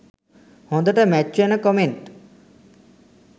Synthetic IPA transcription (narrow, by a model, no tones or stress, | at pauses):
hɔ̃d̪ɔʈamɛt͡ʃːuɛnakɔmeɳʈ